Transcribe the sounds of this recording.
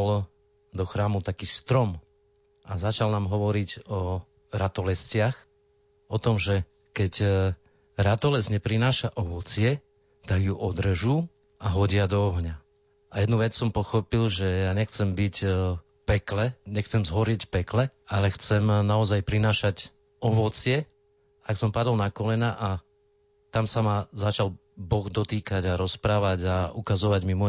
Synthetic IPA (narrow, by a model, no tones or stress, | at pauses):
l | d̪ɔxɾaːmut̪akiːst̪ɾɔm | azat͡ʃalnaːmɦɔʋɔɾiɟɔ | ɾat̪ɔlɛscɪax | ʔɔt̪ɔmʒɛ | kɛc | ɾat̪ɔlɛzɲɛpɾinaːʃaʔɔʋɔt͡sɪɛ | t̪aɡjuʔɔd̪r̩ʒuː | ʔaɦɔɟɪad̪ɔɔɦɲa | ajɛd̪nuʋɛt͡ssɔmpɔxɔpilʒɛjaːɲɛxt͡sɛmbic | pɛklɛɲɛxt͡sɛmzɦɔɾɪɛcpɛklɛalɛxt͡sɛmnaɔzajpɾinaːʃac | ɔʋɔt͡sɪɛ | aksɔmpad̪ɔlnakɔlɛnaʔa | t̪amsamazat͡ʃal | bɔɣd̪ɔt̪iːkaɟaɾɔspɾaːʋaɟaukazɔʋaɟmimɔ